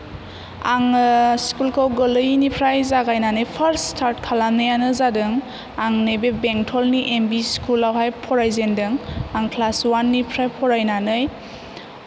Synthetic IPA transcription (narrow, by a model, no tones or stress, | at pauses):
aŋskulkʰawɡɯlɯjnipʰɾajzaɡajnanɯjpʰəɾsstʰaɾt̚kʰalanɯjanɯzadɯŋ | aŋnɯjbebeŋtʰɔlniʔembiskulawɦajpʰɔɾajzendɯŋaŋkʰlaswanːipʰɾajpʰɔɾajnanɯj